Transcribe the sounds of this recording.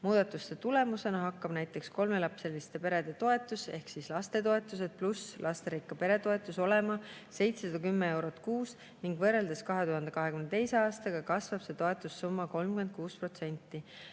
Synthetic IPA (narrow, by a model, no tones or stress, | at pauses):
muːd̪̥ɑt̪ːˑust̪e̞t̪ule̞muse̞nɑɦɑkːɑb̥næjt̪ːˑe̞ksko̞lme̞lɑpse̞list̪e̞pe̞ɾe̞d̪̥e̞t̪o̞e̞t̪ːˑuse̞hksislɑst̪e̞t̪o̞e̞t̪ːˑus̬e̞d̪̥̚pluslʔɑst̪e̞ɾikːˑɑpe̞ɾe̞t̪o̞e̞t̪ːˑuso̞le̞mɑ | se̞jt̪se̞sɑd̪̥ɑkymːee̞wɾo̞t̪ːˑkuːs | niŋɡ̥vɤre̞ld̪̥ɑskɑɦe̞t̪uhɑnd̪ekɑɦekymnet̪e̞jse̞ɑːst̪ɑɡ̥ɑkɑsvɑb̥se̞t̪o̞e̞t̪ːˑusːumːɑko̞lmkyment̪̚kuːspro̞t̪se̞nʲt̪ːˑi